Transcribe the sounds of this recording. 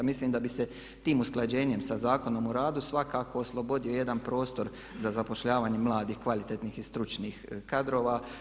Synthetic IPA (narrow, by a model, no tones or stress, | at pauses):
misliːmd̪abise̞ | t̪iːmusklˠad͡ʑe̞ːɲe̞msazaːko̞nomuɾaːd̪usʋakaːko̞ːslˠo̞bo̞d̪io̞je̞d̪anpɾo̞ːst̪o̞ɾ | zazapo̞ʃʎaːʋaːɲemlˠaːd̪iːxkʋalit̪et̪niːxist̪ɾut͡ʃniːxkad̪ɾo̞ːʋaː